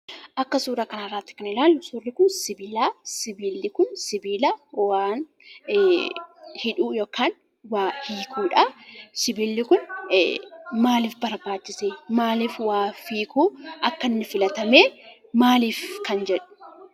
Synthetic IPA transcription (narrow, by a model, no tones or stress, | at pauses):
ʔɐkːɐsuːɾɐkɐnɐrːaːt̪ːɪ̥knɪlaːlːʊsʊrːɪkʊnsɪbiːlaːsɪbiːlːɪkʊnsɪbiːlaːwaːn | hɪᶑuːjoːkaːn | waːhiːkʰuːᶑɐsɪbiːlːɪkʊn | maːliːfbɐɾbaːt͡ʃːɪseːmaːliːfwaːfiːkuʔɐkːɐnːɪfɪlɐt̪ɐmeː | maːliːfkɐnd͡ʒɛᶑʊ̥